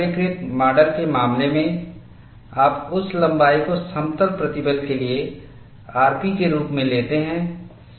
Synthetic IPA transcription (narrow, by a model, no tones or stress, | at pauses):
ɪkɾɪt̪maːɾɖəɾkemaːmlemẽ | aːpʊslɐ̃mbaːikosɐ̃mt̪əɾpɾɐt̪ɪbəd̪kelie | aːɾpikeɾuːpmẽleːt̪eɦɛ̃ː